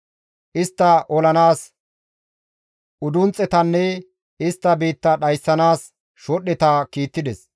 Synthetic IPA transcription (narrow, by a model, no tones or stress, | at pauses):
ʔɪst̪ːɐʔɔlɐnaːs | ʔʊd̪ʊnt͡sʼːɛt̪ɐnːɛ | ɪst̪ːɐbiːt̪ːɐɗɐjsːɐnaːs | ʃɔɗːɛt̪ɐkiːt̪ːɪd̪ɛs